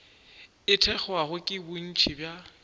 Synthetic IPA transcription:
ɪtʰɛk͡xɔaχʊkʼɪbʊn̩t͡ʃʰibja

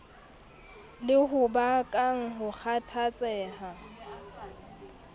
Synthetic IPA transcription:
lɪɦʊbakʼaŋ̩ɦʊk͡xʰatʰat͡sʼɛːɦa

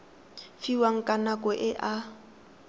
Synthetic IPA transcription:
fiwaŋ̩kʼanakʼɔʔɪʔa

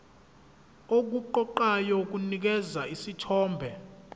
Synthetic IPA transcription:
ok̬uǃɔǃajɔk̬unik̬ɛzaisitʰɔːmbʱɛ

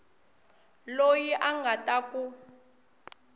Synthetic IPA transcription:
lojiʔaŋɡʱatʼaku

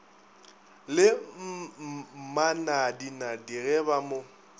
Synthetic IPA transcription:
lɪ | manadinadiɣɛbamo

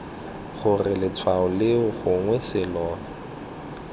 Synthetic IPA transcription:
χʊrɪlɪt͡sʰwaʊlɪʊχʊŋwɛsɪlɔːnɔ

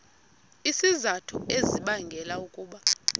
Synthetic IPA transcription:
isizatʰṵeziɓaŋɡʱɛlaukʼuːɓa

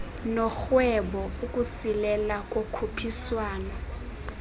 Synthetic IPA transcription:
nɔxwɛɓɔukʼusilɛlakʼokʰupʰiswaːnɔ

